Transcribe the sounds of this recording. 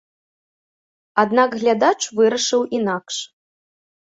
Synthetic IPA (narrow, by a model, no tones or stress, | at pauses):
ad̪naɡɣlʲad̪at͡ʂvɨɾɐʂɨwinakʂ